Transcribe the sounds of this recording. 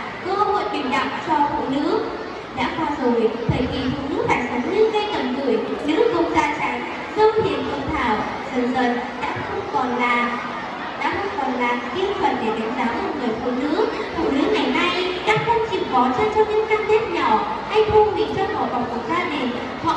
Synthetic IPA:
kə˧ho̰˧˨jɓi˨˩nɗa̰˧˨wŋ͡mt͡ɕɔ˧fṵ˧˨nɨ̰˧˥ə | ɗa̰ː˧˥kwaː˧˩zo˨˩jt̪ʰəː˨˩jt̪ʰi˨˩fṵ˧˨nɨ̰˧˥k̚t̪ʰa˨˩ŋ̚sə˨˩˦n̚ɲɨ˧ŋɣə˧jkə˨˩mkɨ˧˩ə˩jɲɨ̰˧˥zə˧wŋ͡mzaː˧t͡ɕa˨˦ŋ | zə˧wt̪ʰi˨˩ənk̪ə˧˩ŋ͡mt̪ʰaː˧˩w | zə˨˩nzə˨˩t̚ | ɗa̰ː˧˥xə˧wŋ͡mkɔ˨˩nlː | ɗa̰ː˧˥xə˧wŋ͡mkɔ˨˩nlaː˨˩mki˧ənzwə̰˨˩n̚ɗe˧˩ɗa˨˩˦ŋzaː˨˦wʔə˧ŋɨ˨˩əjfṵ˧˨nɨ̰˧˥əkfṵ˧˨nɨ̰˧˥əŋa˨˩jna˧jɗa̰ː˧˥xə˧wŋ͡mt͡ɕi˨˩kɔ˨˦t͡ɕɔ˧t͡ɕɔ˧ɲɨ̰˧˥ŋkaː˧mk̪e˦˥t̚ɲɔ˧˩ | ha˧jt̪ʰu˧ŋ͡mmḭ˧˥t͡ɕɔ˧mɔ˨˩va˨˩ŋ͡mkək̚zaː˧ɗi˨˩n | hɔ̰˧˨

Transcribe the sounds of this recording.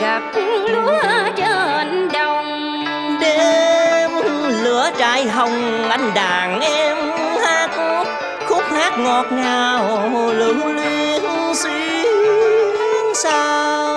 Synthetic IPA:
ɣa˨˩p̚lu˧˥t͡ɕəː˧˩hə˨˩nɗə˧˩wŋ͡m | ɗe˧˩mlɨ˨˧˦ət͡ɕaː˧˩jɦə˧˩wŋ͡m | ʔa˧jŋ̟ɗaː˨˩ŋʔɛ˧m | haː˧˦˥k̚ | xʰʊ˦˥k͡p̚haː˦˥k̚ŋɔ˨˩t̚naː˨˩wlɨ˨˦ŋli˧n˧si˧˦ | ŋsaː˧ | w

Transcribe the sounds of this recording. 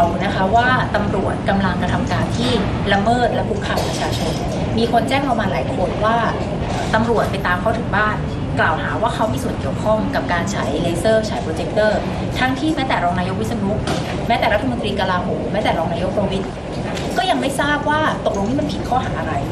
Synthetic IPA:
wna˦˥kʰa˦˥waː˥˩t̪a˧mɾu˨˩ət̪̚ka˧mla˧ŋka˧t̪ʰa˧mkaː˧nt̪ʰiː˥˩ | la˧mɤː˥˩t̪̚lɛ˦˥pʰu˦˥kʰːa˧˩wpɾa˧t͡ɕʰaː˧t͡ɕʰo˧n | miː˧kʰo˧nt͡ɕɛː˥˩ŋpɾa˧maː˧nlaː˩˦jkʰo˧nwaː˥˩ | ʔʔːt̪a˧mɾu˨˩ət̪̚pa˧jt̪aː˧mkʰa˦˥˩t̪ʰɯ˨˩˦ŋbaː˥˩n | klaː˨˩wɦaː˩˦waː˥˩kʰa˦˥wmiː˧su˨˩ənki˨˩əwkʰɔ˥˩ŋka˨˩p̚kaː˧nt͡ɕʰa̰˩˦jle˧sɤː˥˩t͡ɕʰaː˩jpʰɾoː˧t͡ɕe˦˥k̚t̪ɤː˥˩ | t̪ʰa˦˥ŋt̪ʰiː˥˩mɛː˦˥t̪ɛː˨˩ɾɔː˧ŋnaː˧jo˦˥k̚wi˦˥t̪̚sa˧nu˦˥ | mɛː˦˥t̪ɛː˨˩ɾt̪ʰːa˧mo˧nt̪ɾiː˧ka˧laː˧ɦoː˩˦mmːɛː˦˥t̪ɛː˨˩ɾɔː˧ŋnaː˧jo˦˥k̚pːɾa˧wi˦˥t̪̚ | kɔː˥˩ja˧ŋma˥˩jsaː˥˩p̚waː˥˩t̪o˨˩k̚lo˧ŋmʰi˥˩ma˧npʰi˨˩t̪̚kʰɔː˥˩ɦaː˩˦ʔa˧ɾa˧j

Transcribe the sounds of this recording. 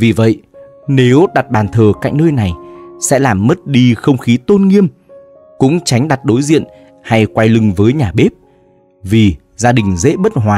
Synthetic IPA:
vi˨˩və̰˧˨j | ne˨˦wɗa˨˩t̚ɓaː˨˩nt̪ʰəː˨˩kaː˧˩jk̟nəː˧jna˨˩jsɛ̰˧˥laː˨˩mːə˦˥t̚ɗi˧xə˧wŋ͡mxi˨˦t̪o˧nŋi˧əm | kʊ̰˧˥ŋ͡mt͡ɕa˨˦jŋ̟ɗa˨˩t̚ɗo˨˦jzḭ˧˨ən | ha˧jkwa˧jlɨ˧ŋvəː˨˦jɲaː˨˩ɓe˦˥p̚ | vi˨˩ | zaː˧ɗï˨˩ŋ̟zḛ˧˥ɓə˦˥t̚hwaː˨˩

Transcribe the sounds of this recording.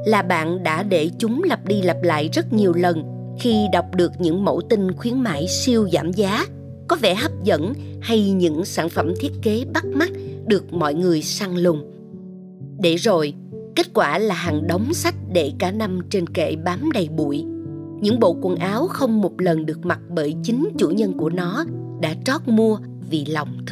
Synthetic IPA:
laː˨˩ɓa̰ː˧˨nɗa̰ː˧˥ɗe˧˩t͡ɕʊ˨˦ŋ͡mlə˨˩p̚ɗi˧la˨˩p̚la̰ː˧˨jzə˦˥t̚ɲi˨˩əwlə˨˩n | xi˧ɗa˨˩wk͡p̚ɗɨ˨˩ək̚ɲɨ̰˧˥ŋmo̰˧˥t̪i˧ŋxwi˨˦ənma̰ː˧˨jsi˧əwzaː˧˩mzaː˨˦ | kɔ˨˦vɛ̰˧˩ɦə˦˥p̚zə̰˧˥nha˧jɲɨ̰˧˥ŋsaː˧˩nfə˧˩mt̪ʰi˦˥ət̚ke˨˦ɓa˦˥t̚ma˦˥t̚ɗɨ˨˩ək̚mɔ̰˧˨jŋɨ˨˩əjsaː˧ŋlʊ˨˩ŋ͡m | ɗe˧˩zo˨˩j | ke˦˥t̚kwaː˧˩laː˨˩ɦa˨˩ŋɗə˨˦wŋ͡msa˦˥jk̟̚ɗe˧˩kaː˧˩na˧mt͡ɕe˧nkḛ˧˩ɓaː˨˦mɗə˨˩jɓṵ˧˨jɲɨ̰˧˥ŋɓo̰˧˨kwə˨˩nʔaː˨˦wxə˧wŋ͡mmo˨˩t̚lə˨˩nɗɨ˨˩ək̚ma˨˩t̚ɓəː˧˩jt͡ɕï˨˦ŋ̟t͡ɕṵ˧˩ɲə˧nku˧˩ənɔ˨˦ | ɗa̰ː˧˥t͡ɕɔ˦˥t̚mu˧ə | vi˨˩lɔ˨˩wŋ͡mt̪ʰ

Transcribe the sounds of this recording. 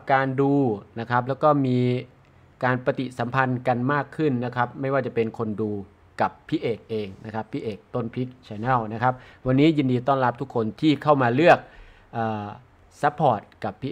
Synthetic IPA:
p̚kaː˧nduː˧na˦˥kʰa˦˥p̚lɛː˦˥wkɔː˥˩miː˧ | kaː˧npa˧t̪i˨˩sa˩˦mpʰa˧nka˧nmaː˥˩kʰːɯ˥˩nːa˦˥kʰɾa˦˥p̚ma˥˩jwaː˥˩t͡ɕa˨˩pe˧nkʰo˧nduː˧ | ka˨˩pʰːiː˥˩ʔeː˨˩k̚ʔeː˧ŋna˦˥kʰa˦˥pʰːiː˥˩ʔeː˨˩k̚t̪o˥˩npʰi˦˥k̚t͡ɕʰa˧nɛ˥˩wna˦˥kʰa˦˥p̚wa˧nːiː˦˥ji˧ndiː˧t̪ɔː˥˩nɾla˦˥p̚t̪ʰu˦˥kʰːo˧nt̪ʰiː˥˩kʰa˥˩wmaː˧lɯ˥˩ək̚ | ʔɤː˨˩ | sa˦˥pʰːɔː˨˩t̪̚ka˨˩pʰːiː˦˥

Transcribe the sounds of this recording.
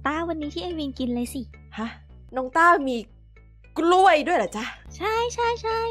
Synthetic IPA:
t̪aː˥˩wa˧nːiː˦˥t̪ʰiː˥˩ʔa˧˩jwi˧nki˧nlɤː˧jsi˨˩ha˦˥˩ | nɔ˧ŋt̪aː˥˩miː˧ | klu˥˩əjdu˥˩əjla˨˩t͡ɕa˦˥˩t͡ɕʰa˥˩jt͡ɕʰa˥˩jt͡ɕʰa˥˩j

